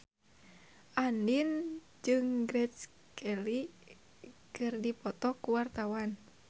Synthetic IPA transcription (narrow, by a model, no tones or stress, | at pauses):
ʔandin | d͡ʒɨŋɡɾɛt͡ʃ | kʰɛli | kɨrdipɔt̪ɔkuwart̪awan